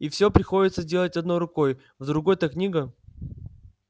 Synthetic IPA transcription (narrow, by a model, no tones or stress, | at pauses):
ifsʲɵpɾʲɪxodʲɪt̪səzʲdʲe̞lˠətʲɐd̪no̞jrʊkoj | vd̪ɾʊɡo̞jt̪aknʲiɡə